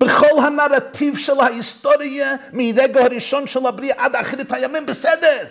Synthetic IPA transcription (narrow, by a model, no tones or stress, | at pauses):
b̥əχɔlˠhanaɾatʰivʃɛlˠhahɪstɔɾiəmɪɾɛɡəhɔɾiʃɔnʃɛlˠhabɾiəʔadaχɾithajamɪmbəsɛdəɾ